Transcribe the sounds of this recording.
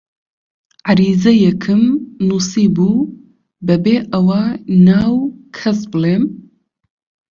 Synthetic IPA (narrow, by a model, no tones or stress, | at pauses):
ʕaɾiːzɐjɛkʰɨmnuːsiːbuː | bɐbeːʔɐwanaːwkʰɐsbɨleːm